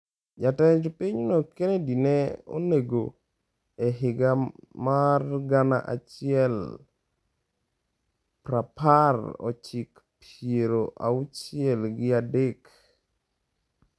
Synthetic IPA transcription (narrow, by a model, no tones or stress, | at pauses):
d͡ʒatɛd͡ʒpiɲnokenedinɛo̰neɡo̰ | eɦɪɡamarɡana̰ʔat͡ʃɪɛl | pɾaparɔ̰t͡ʃɪk | pʰeɾoʔa̰ut͡ʃɪɛlɡɪadek